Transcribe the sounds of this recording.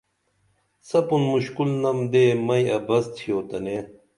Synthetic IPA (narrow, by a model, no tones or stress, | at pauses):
sɐpunmuɕkulnɐmd̪eːmɐjɐbɐst̪ʰijoːt̪ɐne